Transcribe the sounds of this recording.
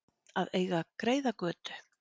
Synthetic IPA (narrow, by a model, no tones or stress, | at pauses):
aðeːjɣakɾeːjðakvœːt̪ʏ̥